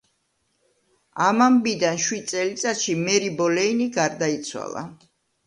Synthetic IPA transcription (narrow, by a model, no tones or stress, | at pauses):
amambid̪anʃwid̪̚t̪sʼɛlit̪sʼat̪ʃimɛɾibɔlɛiniɡaɾd̪ait̪sʰwa̰lˠa̰